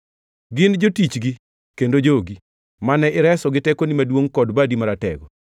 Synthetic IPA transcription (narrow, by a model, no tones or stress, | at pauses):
ɡɪnd͡ʒotit͡ʃɡi | kendod͡ʒoɡi | manɛʔɪɾɛsɔɡɪtɛkonimadwoŋkɔdbadimaɾatɛ̰ɡɔ